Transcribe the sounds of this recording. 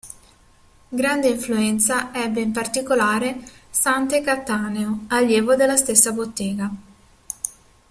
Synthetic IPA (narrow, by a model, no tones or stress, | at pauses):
ɡɾand̪eiɱfluɛnt̪saɛbːeimpart̪ikolaːɾesant̪ekat̪ːaːneoaljeːvod̪elːast̪esːabot̪ːeːɡa